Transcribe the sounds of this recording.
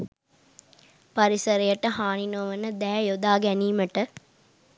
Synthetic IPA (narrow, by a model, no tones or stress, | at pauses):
pɐɾisɐɾɐjɐʈːɐɦaːɳinoːʋɐnːɐd̪ɛːjod̪aːɡɛniːmɐʈːɐ